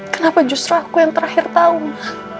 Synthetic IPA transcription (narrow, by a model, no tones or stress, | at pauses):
kənapad͡ʒust̪ɾʊhakujaŋt̪əɾahɪrt̪aʊnlah